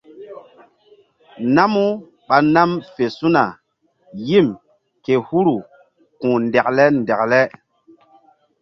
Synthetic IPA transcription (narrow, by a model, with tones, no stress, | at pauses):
na˦mu˦ | ɓa˨na˦mfe˨su˦na˨ | ji˦˨m | ke˨hu˦ɾu˨ | kũ˨ndɛ˨k̚lɛ˦n˨dɛ˨k̚lɛ˦